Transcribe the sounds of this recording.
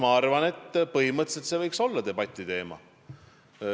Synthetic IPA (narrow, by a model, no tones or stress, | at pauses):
mɑɑrvɑne̞t̪ːpɤɦimɤt̪ˑselt̪sevɤjkso̞lːɑt̪e̞b̥ɑt̪ʲːˑit̪e̞ːmɑ̰